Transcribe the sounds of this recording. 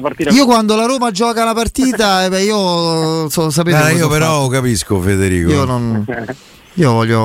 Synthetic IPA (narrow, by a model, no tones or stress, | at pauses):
iːokwand̪olaɾoːmad͡ʒɔːkalapart̪iːt̪aɛbɛiːosɔs̬apeːaiːopeɾɔkapiskofed̪eɾḭːkiːonon | iːovɔʎːo